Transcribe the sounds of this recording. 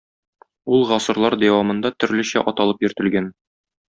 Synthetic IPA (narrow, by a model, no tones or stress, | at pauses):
ulˠʁɒsɤ̆ɾlˠɑɾd̪æwɑmɤ̆nd̪ɑt̪ɵ̆ɾlɘ̆ɕæʔɒt̪ɑlˠɤpjɵ̆ɾt̪ɘ̆lɡæn